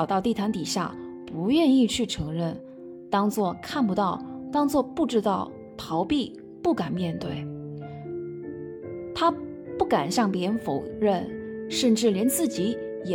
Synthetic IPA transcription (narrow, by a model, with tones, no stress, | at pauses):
ʊt̪ɑ˥˧ʊt̪i˥˩t̪ʰa˧˥nt̪i˨˩ɕja̰˥˩pu˧˥ɥɛ˥˧ni˥˧t͡ɕʰy˥˩ʈ͡ʂʰɤ˧˥ŋɻə˥˩n | t̪ɑ˥ŋt͡swɔ˥˧kʰa˥˩npu˧˥t̪ɑ˥˩ʊt̪ɑ˥ŋt͡swɔ˥˧pu˥˩ʈ͡ʂɻ̩˥t̪ɑ˥˩ʊ | t̪ʰɑ˧˥ʊpi˥˧ | pu˥˩ka˨˩nmjɛ˥˧nt̪we˥˩ɪ | t̪ʰa˥ | pu˥˩ka˨˩nɕjɑ˥˩ŋpjɛ˧˥ɻə˧˥nfo˨˩ʊɻə˥˩nʂə˥˧nʈ͡ʂɻ̩˥˩ljɛ˧˥nt͡sɹ̩˥˩t͡ɕi˧˥ | jɛ˨